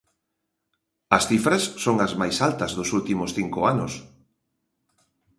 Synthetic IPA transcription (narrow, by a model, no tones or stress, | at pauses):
ɐsθifɾasːoŋɐzmajsalt̪ɐzðʊsult̪imʊsθiŋkʊanʊs